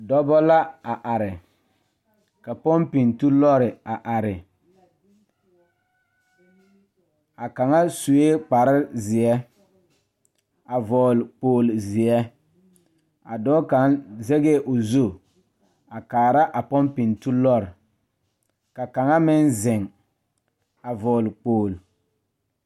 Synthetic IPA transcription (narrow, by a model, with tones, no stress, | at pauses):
dɔ˦bɔ˦la˦a˨ʔa˨ɾɪ˨ | ka˨pɔ˦mpi˨ntu˦lɔ˦ɾɪ˨a˨ʔa˨ɾɪ˨ | a˨ka˨ŋa˦su˨e˦k͡pa˨ɾɪ˦zɪ˨ɛ˦ | a˨vɔː˨lk͡poː˨lzɪ˨ɛ˦ | a˨dɔː˦ka˨˦nzɛ˦ɡe˦ʔʊ˨zo˦˨ | a˨kaː˨ɾa˦ʔa˨pɔ˦mpi˨ntu˦lɔ˦ɾɪ˨ | ka˨ka˨ŋa˦mɪ˦nzɪ˨ŋ | a˨vɔː˨lk͡poː˨l